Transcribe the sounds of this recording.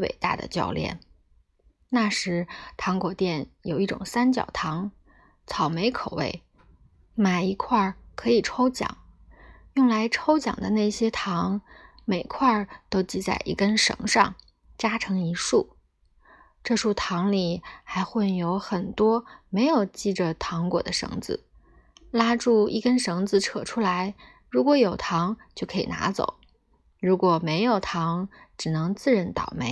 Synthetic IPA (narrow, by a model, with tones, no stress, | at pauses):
wḛ˨˩ɪt̪a̰˥˩d̪ə̰˩t͡ɕjɑ̰˥˧ʊljɛ̰˥˩n | na˥˩ʂɻ̩˧˥t̪ʰɑ˧˥ŋkwɔ˨˩t̪jɛ˥˩njo˨˩ʊi˥˩ʈ͡ʂʊ̰˨˩ŋsa˥nt͡ɕjɑ̰˨˩ʊt̪ʰɑ˧˥ŋ | t͡sʰɑ˨˩ʊme˧˥ɪkʰo˨˩ʊwḛ˥˩ɪ | ma˨˩ɪi˧˥kʰwa˥˩kʰɤ˧˥i˨˩ʈ͡ʂʰo˥ʊt͡ɕjɑ̰˨˩˦ŋ | jʊ˥˩ŋla˧˥ɪʈ͡ʂʰo˥ʊt͡ɕjɑ̰˨˩ŋd̪ə˦na˥˩ɪɕjɛ˥t̪ʰɑ˧˥ŋ | me˨˩ɪkʰwa˥˩t̪o˥ʊt͡ɕi˥˧t͡sa̰˥˧ɪʔḭ˥˩kə˥nʂɤ̰˧˥ŋʂɑ̰˥˩ŋ | t͡ɕja˥ʈ͡ʂʰɤ˧˥ŋi˧˥ʂu˥˩ | ʈ͡ʂɤ˥˧ʂu˥˩t̪ʰɑ˧˥ŋli˨˩xa˧˥ɪxwə˥˩njo˧˥ʊxə˨˩nt̪wɔ˥me˧˥ɪjo˨˩ʊt͡ɕi˥˩ʈ͡ʂə˩t̪ʰɑ˧˥ŋkwɔ̰˨˩d̪ə˦ʂɤ̰˧˥ŋd͡zɹ̩˧ | la˥ʈ͡ʂu˥˧ḭ˥˩kə˥nʂɤ˧˥ŋd͡zɹ̩˧ʈ͡ʂʰɤ˨˩ʈ͡ʂʰu˥la˧˥ɪ | ɻu˧˥kwɔ˧˥jo˨˩ʊt̪ʰɑ˧˥ŋt͡ɕjo˥˩ʊkʰɤ˧˥ḭ˨˩na̰˧˥t͡so̰˨˩˦ʊ | ɻu˧˥kwɔ˨˩me˧˥ɪjo˨˩ʊt̪ʰɑ˧˥ŋʈ͡ʂɻ̩˨˩nɤ˧˥ŋt͡sɹ̩˥˩ɻə˧˥nt̪ɑ̰˨˩ʊme˧˥ɪ